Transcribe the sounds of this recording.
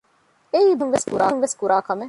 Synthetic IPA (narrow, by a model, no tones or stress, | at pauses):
eiːb̪ʱɐnʋeskuɾaːnʋeskuɾaːkɐme